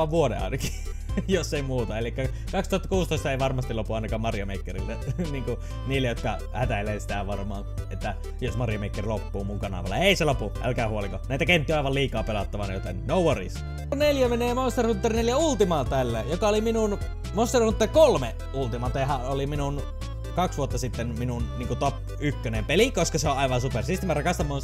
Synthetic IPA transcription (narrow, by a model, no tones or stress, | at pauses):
ɑʋʋuodḛɑ̰ˑenɑki̥ | josːeˑimuːt̪ɑelikːæ | kɑkst̪uhɑt̪ːɑ̥kuːst̪oˑist̪ɑeˑiʋɑrmɑst̪ilopuɑˑnɑkɑːmmɑrjomeˑikːerḭlːæniːŋku | niːlːejot̪kɑ | hæt̪æleːsi̥t̪æʋɑrmˑɑːnet̪ːæ | josmɑrjomeˑikːerlopːuːmuŋkɑnɑ̰ʋɑ̰lːɑeˑiselopuʔæ̰lkæːhuoliŋkonæˑit̪ækent̪ːiøɑˑiʋɑlliːkɑːpelɑt̪ːɑʋɑnjot̪ḛnnoˑuworḭs | neljæmeneːmonst̪erhunt̪ːerineljæult̪imɑːlt̪ælːæjokɑoliminun | most̪erhunt̪ːerkolme | ʔult̪imɑt̪ehæoliminun | kɑksʋuot̪ːɑsit̪ːenminunniːŋkut̪op | ykːønempelikoskɑseoʔʔɑˑiʋɑnsupersist̪imærɑkɑst̪ɑmːˑon